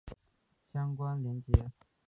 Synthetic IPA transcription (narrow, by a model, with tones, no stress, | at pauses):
ɕjɑ˥ŋkwa˥nljɛ˧˥nt͡ɕjɛ˧˥